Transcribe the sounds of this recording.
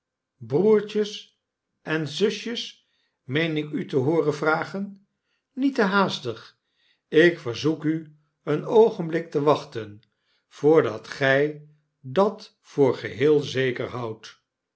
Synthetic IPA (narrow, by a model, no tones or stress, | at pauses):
bruːɹt͡ʃəs | ʔɛnzɵsjəs | mejnɪkytəɦoːrəvraːχən | nitəɦaːstəχ | ɪkfəɹzuky | ənowχənblɪk̚təʋɑχtən | v̥ʊːɹdɑtχɛj | dɑt | fʊːɹχəɦɪːlˠzejkəɹɦɑwt